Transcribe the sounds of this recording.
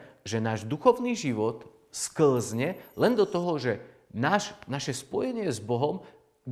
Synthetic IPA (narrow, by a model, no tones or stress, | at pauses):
ʒɛnaːʒd̪uxɔʊniːʒiʋɔt̪ | skl̩zɲɛlɛnd̪ɔt̪ɔɦɔʒɛnaːʃnaʃɛspɔjɛɲɪɛzbɔɦɔm